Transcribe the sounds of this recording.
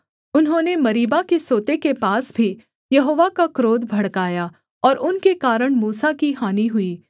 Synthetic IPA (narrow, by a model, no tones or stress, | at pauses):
ʊnɦõːnemɐɾiːbakesoːt̪ekepaːsbʱi | jɐɦoːʋakakɾoːd̪bʱɐɽkaːja | ɔːɾʊnkekaːɾəɽ̃muːsakiɦaːniɦʊiː